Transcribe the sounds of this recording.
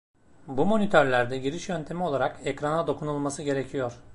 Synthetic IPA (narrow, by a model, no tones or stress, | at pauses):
bumo̞nit̪ʰøɾlʲæɾd̪ɛɟiɾiʃjø̞nt̪ʰe̞mio̞lˠaɾakɛcɾanad̪o̞kʰunulˠmasɯɟe̞ɾe̞cʰijo̞ɾ̥